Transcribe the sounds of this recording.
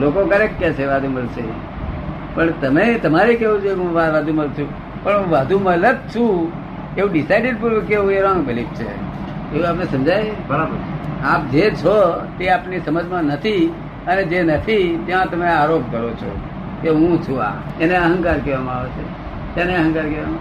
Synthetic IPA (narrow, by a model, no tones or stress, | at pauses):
lokokəɾek̚kat͡ʃʰeʋad̪ʱuməlse | pəɳt̪əmet̪əmaɾikeʋũt͡ʃʰekũʋaɾʋad̪ʱuməlt͡ʃʰũ | pəɳɦũʋad̪ʱumələt̪̚t͡ʃʰũ | eũɖɪsaɪɖeɖpəkeʋũeɾãŋɡbɪlip̚t͡ʃʰḛ | eũapnesə̃md͡ʒajebʱəɭabʱəɾap̚d͡ʒet͡ʃʰot̪eapnisəməd͡ʒmãnət̪ʰi | əned͡ʒenət̪ʰit̪jãt̪əmeaɾop̚kəɾot͡ʃʰo̰ | keɦũt͡ʃʰũa̰eneəɦə̃ŋkaɾkɛʋamãaʋet͡ʃʰe | t̪janeəɦə̃ŋkaɾkɛʋama